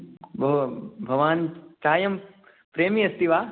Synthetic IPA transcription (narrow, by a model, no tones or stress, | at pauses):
bʱɐbʱɐʋaːnt͡ʃaːjɐm | pɾeːmiɐst̪iʋaː